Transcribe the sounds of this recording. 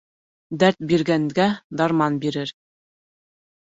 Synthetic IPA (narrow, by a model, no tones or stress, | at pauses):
d̪æɾt̪̚biɾɡæŋɡæd̪ɑɾmɑnbiɾɘɾ